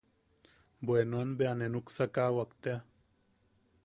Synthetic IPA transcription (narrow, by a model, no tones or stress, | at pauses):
boenwanbeanenuksakaːwɐkt̪ea